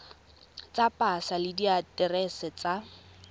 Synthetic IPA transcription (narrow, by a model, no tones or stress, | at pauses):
t͡sʼapʼasalɪdiatʼɛrɛsɛt͡sa